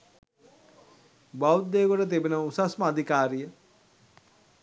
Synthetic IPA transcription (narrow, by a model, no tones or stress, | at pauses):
bawtd̪ːeːkoʈət̪̬ebenəusasməad̪ʱikaːɾijə